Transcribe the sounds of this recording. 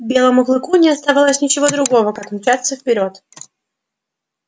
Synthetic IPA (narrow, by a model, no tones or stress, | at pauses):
bʲe̞lˠəmʊɣlˠɨkunʲɪɐst̪avalˠəsʲnʲɪt͡ɕɪvo̞d̪ɾʊɡo̞vəkakmʲʊt͡ɕat̪səfpʲɪɾʲo̞t̪